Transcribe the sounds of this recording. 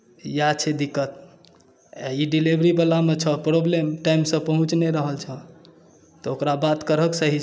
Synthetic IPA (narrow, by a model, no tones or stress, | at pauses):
jat͡ʃʰed̪ikːət̪̚ | aiɖilibɾibəlamet͡ʃʰəpɾoblemʈaimsə̃pəɦũt͡ʃneɾəɦəlt͡ʃʰə | t̪ɔokɾabat̪kəɾəksəɦi